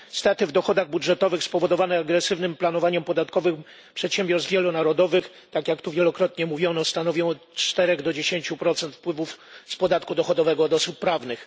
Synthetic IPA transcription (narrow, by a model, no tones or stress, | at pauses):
st̪ɛt̪ɘvd̪ɔxɔd̪aɣbudʐɛt̪ɔvɘxspɔvɔd̪ɔvanɛaɡɾɛsɘvnɘmplanɔvaɲɛmpɔd̪at̪kɔvɘx | pʂɛt̪ɕembʲjɔɾst̪vʲjɛlɔnaɾɔd̪ɔvɘx | t̪akjakt̪uvjɛlɔkɾɔt̪ɲɛmuvʲjɔnɔst̪anɔvʲjɔ̃w̃ɔ | t͡ʂt̪ɛɾɛɡd̪ɔd͡ʑeɕeɲt͡ɕupɾɔt̪sɛnt̪fpwɘvufspɔd̪at̪kud̪ɔxɔd̪ɔvɛɡɔːd̪ɔsupːɾavnɘx